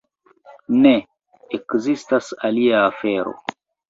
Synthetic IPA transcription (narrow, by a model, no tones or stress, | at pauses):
ne | ekzistasaliaːfeɾo̰